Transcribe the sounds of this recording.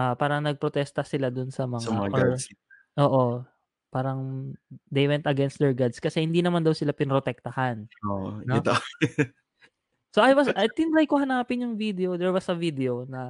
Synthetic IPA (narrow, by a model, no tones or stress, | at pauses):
ʔapaːɾɐŋnɐɡ̚pɾot̪ɛst̪ɐsɪlad̪ʊnsɐmɐŋsɐmaɐŋaɡʔoɹ | ʔo̞ːʔo | paːɾɐŋd̪ejwɛnt̪ɐɡɛnst̪̚d̪ɛɹɡad̪skɐsɛhɪnd̪inɐmand̪ɐwsɪlapɪnɾot̪ɛk̚t̪ɐhanoʔnoɪt̪o | soʔɐjwɐsʔɐjt̪ɪnɾajkːohɐnaːpɪnjʊŋvid̪ɛod̪ɛɹwɐsɐvid̪ɛonɐ